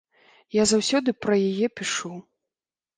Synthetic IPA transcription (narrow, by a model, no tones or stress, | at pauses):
jazawsʲɔd̪ɨpɾɐjajɛpʲiʂu